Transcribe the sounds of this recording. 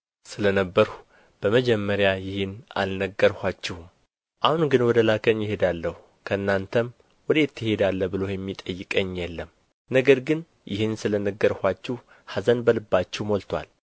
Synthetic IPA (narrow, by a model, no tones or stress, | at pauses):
sɨlənəbːəɾhu | b̥əməd͡ʒɛmːəɾjajɪhɨna̰lnəɡːəɾhʷat͡ʃːɛhm | ʔahunɡɨnwɔd̪əlakʰənjɪhe̞d̪alːəhu | kʰəɨnːant̪ʰəm | wɔd̪et̪ːɪhe̞d̪alːəbɨlojɛmːit̪ʼəjːɪkʼəɲːjɛlːəm | nəɡəɾɡɨn | jɪ̰hɨnsɨlənəɡːəɾhʷat͡ʃːɛh | hazənbəlɨbːat͡ʃːɛwmolt̪ʰwa̰l